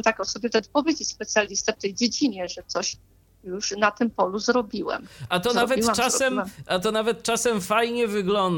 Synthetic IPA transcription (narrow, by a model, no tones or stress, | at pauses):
t̪akɔsɔbʲɛt̪ɛt̪̚pɔvʲjed͡ʑet͡ɕʲspɛt̪sʲjalʲist̪ɛft̪ɛjd͡ʑed͡ʑiɲɛʐɛt̪sɔɕ | juʂnat̪ɘmpɔluzɾɔbʲiwɛ̰mat̪ɔnavɛt͡ʂasɛmʔat̪ɔnavɛt̪̚t͡ʂasɛmfajɲɛvɘɡlɔnd̪